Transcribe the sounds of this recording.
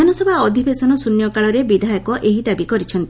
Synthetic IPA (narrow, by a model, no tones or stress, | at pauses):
anɔsɔbʱaɔd̪ʱibesɔnɔsunjɔkaɭɔɾebid̪ʱajɔkɔʔeɦid̪abikɔɾit͡ʃʰɔnt̪i